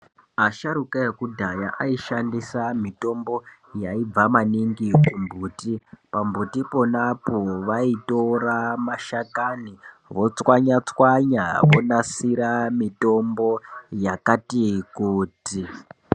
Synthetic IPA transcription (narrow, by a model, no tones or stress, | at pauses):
aʃaɾukaekudʱajaʔaiʃandisamito̞mbo̞ | jaib͡vamaniŋɡikumbʱuːtipambʱutipo̞napoʋaito̞ɾamaʃakani | ʋo̞t͡swaɲat͡swaɲaʋonasiɾamito̞mbojakatikuːti